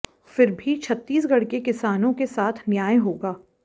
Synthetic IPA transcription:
fɪɾbʱit͡ʃʰɐt̪ːiːs̬ɡɐɽkekɪsaːnõkesaːt̪ʰnjaːẽɦoːɡaː

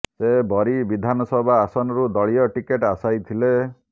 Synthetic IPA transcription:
sebɔɾibid̪ʱanɔsɔbʱaːsɔnɔɾud̪ɔɭijɔʈikeʈasajt̪ʰile

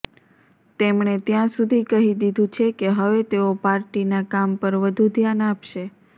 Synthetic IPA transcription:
t̪emɳet̪jãsud̪ʱikəɦid̪id̪ʱũt͡ʃʰekeɦəʋet̪eopaɾʈinakampəɾʋəd̪ʱud̪ʱjanapʃe

